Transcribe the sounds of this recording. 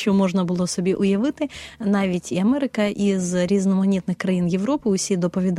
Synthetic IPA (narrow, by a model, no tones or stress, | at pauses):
omoʐnɐbɨlˠosɔbʲiʔʊjɐʋɨt̪ɪnaʋʲitʲiɐmɛɾɨkɐʔizɾʲiznɔmɐnʲit̪nɨxkɾɐjinjɪvɾopɨʊsʲid̪ɔpɐvʲid̪